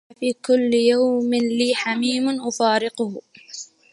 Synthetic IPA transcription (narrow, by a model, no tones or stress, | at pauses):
fiːkʊlːjawmɪnliːħamiːmʊnʔʊfaːɾɪqʊh